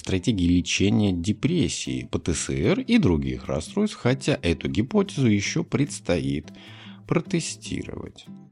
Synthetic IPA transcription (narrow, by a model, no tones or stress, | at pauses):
st̪ɾɐtʲeɡʲɪɪlʲɪt͡ɕenʲɪjədʲɪpɾʲesʲːɪːpət̪əsɨ̰ɛrid̪ɾʊɡʲḭxrɐ̰st̪ɾo̞jst̪fxɐtʲaʔɛt̪ʊɡʲɪpo̞tʲɪzʊjɪɕːopɾʲɪt̪st̪ɐit̪pɾət̪ɨsʲtʲʰḭɾə̰və̰tʲ